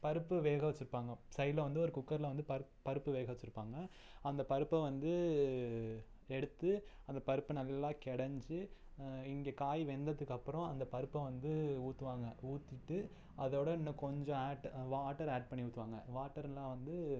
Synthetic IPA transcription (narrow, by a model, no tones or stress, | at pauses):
pɐɾɯpːɯʋeːɣɐʋɐt͡ʃːɪɾɯpːaːŋɡɐsɐɪlɐʋɐnd̪ɯɔɾɯkʊkːɐɾlɐʋɐnd̪ɯpɐɾ | pɐɾɯpːɯʋeːɣɐʋɐt͡ʃːɯɾɯpːaːŋɡɐ | ɐnd̪ɐpɐɾɯpːɐʋɐnd̪ɯ | ɛɽɯt̪ːɯɐnd̪ɐpɐɾɯpːɯnɐlːɐlːãːkɛɽɐɲd͡ʒɯɪŋɡeːkaːjʋɛnd̪ɐðɯkːɐpːɯɾɔ̃ɐnd̪ɐpɐɾɯpːɐʋɐnd̪ɯuːt̪ːɯʋaːŋɡɐuːt̪ːɪʈːɯ | ɐðoːɽɐɪnːɐkɔɲd͡ʒɔ̃aːʈʋaːʈːɐɾaːʈ̚pɐɳːiuːt̪ːɯʋaːŋɡɐʋaːʈːɐɾlãːʋɐnd̪ɯ